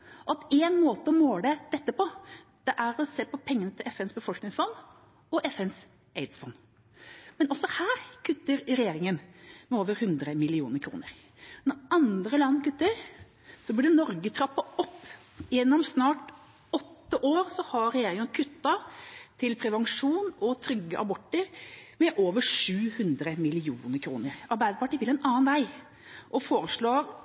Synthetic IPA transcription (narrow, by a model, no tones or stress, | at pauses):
ɔɑt̪æɪnmoːt̪əɔmoːləd̪̥ɛt̪ːəpɔ | d̪̥ɛʔæɾɔseːpɔpʰɛŋːənət̪ʰɪlʔɛfɛnsbəfɔlknɪŋsfɔnd̪ | ɔʔɛfɛns | eɪd̪sfɔnː | mɛnɔsːɔhæːɾkʰʉt̪ːəɾɾɛjeːɾɪŋənmɛoːʋəɾhʉnd̪ɾəmɪlɪṵːnəɾkʰɾṵːnə̰ɾ | nɔɾɑnd̪ɾəlɑnːkʉt̪ːəɾ | sɔblɪɖɛnɔɾɡət̪ʰɾɑpːɑɔpː | ɪjɛnːɔmsnɑːʈ | ɔt̪ːəʔoːɾsɔhɑɾɾɛjeːɾɪŋənkʰʉt̪ːɑt̪ʰɪlpʰɾɛʋɑŋʂuːnɔt̪ʰɾʏɡːəʔɑbɔʈːəɾmɛʔoːʋəʂʉːhʉnd̪ɾəmɪlɪuːnəɾkʰɾuːnəɾɑɾbæɪd̪əpɑʈʰːiːt̪ɪlɛnɑːɑnʋæɪ | ʔɔfoːɾəʂɭoːɾ